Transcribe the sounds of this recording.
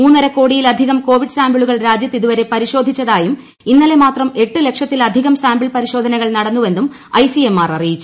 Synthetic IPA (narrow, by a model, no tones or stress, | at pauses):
muːnːɐɾɐkːo̞ːɽijilɐd̪ʱiɣɐmko̞ːʋiɖɨsaːmbiɭuɣɐɭɾaːd͡ʑjɐt̪ːiðuʋɐɾe̞pɐɾiɕoːd̪ʱit͡ɕːɐðaːjum | inːɐle̞maːt̪rɐme̞ʈːɨle̞kʂjɐt̪ːilɐd̪ʱiɣɐmsaːmbiɭpɐɾiɕo̞ːd̪ʱɐnɐɣɐɭnɐɽɐnːuʋe̞nd̪um | ɐjsiemːaːrɐrijit͡ɕːu